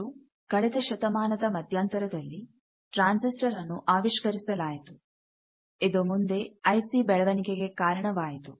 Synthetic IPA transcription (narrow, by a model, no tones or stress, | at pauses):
u | kɐɽɛd̪ɐʃɐt̪ɐmaːnɐd̪ɐmɐd̪ʱjaːnt̪ɐɾɐd̪ɐlːi | ʈɾaːnsisʈɐɾɐnːuʔaːʋiʃkɐɾisɐlaːjit̪u | id̪omund̪e̞ɐjsibɛɭɐʋɐnikeɡe̞kaːɾɐɳɐʋaːjit̪u